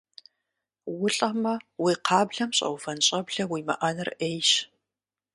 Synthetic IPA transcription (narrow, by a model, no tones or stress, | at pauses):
wʊɬʼɐmɐwiːqʰɑːbɮɐmɕʼɐ̰wfɐnɕʼɐbɮɐwiːmɐ̰ʔɐnɨrʔejʃ